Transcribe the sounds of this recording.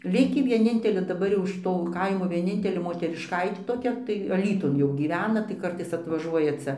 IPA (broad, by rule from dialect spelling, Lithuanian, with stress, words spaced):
ˈlʲɪkʲiː ʋʲiɛˈnʲɪnʲtʲɛlʲeː dɐˈbɐr jɛʊ ɪʃ ˈtoː ˈkɐɪmoː ʋʲiɛˈnʲɪnʲtʲɛlʲeː moːtʲɛrʲɪʃˈkɐɪtʲeː toːˈkʲɛ tɐɪ ɐˈlʲiːtʊn jɛʊ ɡʲiːˈʋʲæːnɐ tɐɪ ˈkɐrtɐɪs ɐtʋɐˈʒuɔjɛ ˈt͡sʲɛ